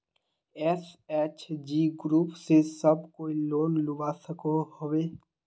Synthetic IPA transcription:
ɛːsɛːt͡ʃd͡ʒiːɡɾuːpsesəbkoːiloːnlʊʋasəkohoʋeː

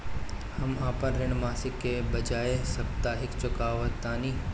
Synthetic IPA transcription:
hɐmaːpənɾɪñmaːsɪkːebɐd͡ʒaːesɐbt̪aːɦɪkt͡ʃʊkaːʋət̪ːaːniː

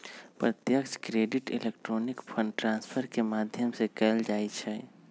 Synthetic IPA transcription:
pɾət̪jəkskɾeːɖɪʈɪ̰lekʈɾoːnɪkpʰə̃ɳɖʈɾãːnspʰəɾkemaːd̪ʱjəmsekɛːld͡ʒaːit͡ʃʰɛ

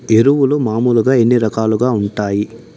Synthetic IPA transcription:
e̞ɾuwulumaːmuluɡaːe̞nːiɾɐkaːluɡaːuɳʈaːji

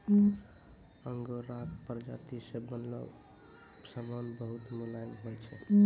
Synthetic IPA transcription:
əŋɡoɾakpəɾd͡ʒa̰t̪isebənlɔ̰ | səmanbəɦut̪mulanɦojt͡ʃʰɛ

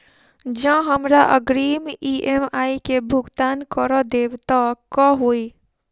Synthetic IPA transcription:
d͡ʒãɦəmɾaʔəɡɾiːmiemaːikebʱʊɡt̪aːnkəɾɔd̪eːbt̪akɔɦoːi

